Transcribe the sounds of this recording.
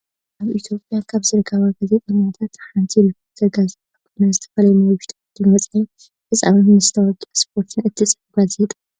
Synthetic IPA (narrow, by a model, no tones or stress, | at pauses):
ʔaβʔit̪ʰjo̞pʼjakʰaβzɨɾɡʰaβaɡaze̞t̪ʼɐɲat̪ʰat̪ħant̪ʰiɾipʰoɾt̪ʰɐɾɡazet̪ʼakʰonazɨt̪ʰɐ̥fɐlɐjmawʊʃt̪ʰd̪ɨmɐt͡sʼaj | fɨt͡sʼa̰minɨzɨt̪ʰɐwɔɡʼɐspʰo̞ɾt̪ʰɨnɨt̪ʰːisʼfɡaze̞t̪ʼa